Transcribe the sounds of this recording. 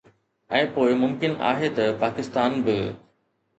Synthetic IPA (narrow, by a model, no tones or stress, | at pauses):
ɛ̃ːpoːɪmʊmkɪna̰ːɦet̪ɐpaːkɪst̪aːnbɪ